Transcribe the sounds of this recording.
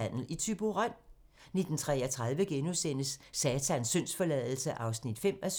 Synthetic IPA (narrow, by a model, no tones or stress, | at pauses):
æn̰l̩it͡sʰyb̥o̝ʁɑn̰ | ne̝d̥n̩t͡sʰʁɛːɐt͡sʰʁað̞ˠʋəɡ̥enusen̰əsːɛːt͡sʰænsøn̰sfɒ̽lɛðˠl̩səʔɑ̈ʊsnid̥fem̰æs